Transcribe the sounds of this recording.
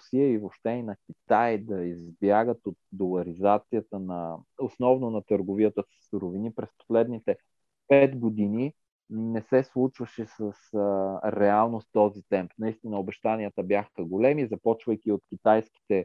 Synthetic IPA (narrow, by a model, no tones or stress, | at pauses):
siəivopʃt̪ɛinɐkʲit̪ajd̪ɐizbjaɡət̪ot̪̚d̪olˠɐɾizat̪sijət̪ənɐosnɔvnonɐt̪əɾɡovijət̪əsə̥suɾovinipɾɛspo̥slɛd̪nit̪ɛ | pɛt̪ɡod̪ini | nɛsɛslˠut͡ʃvɐʃɛsəsɾɛalˠnost̪ɔzit̪ɛmpnɐist̪inəobɛʃt̪anijət̪əbjaxəɡolɛmizɐpɔt͡ʃvɐjk̟ʲiot̪kʲit̪ajskʲi̥t̪ɛ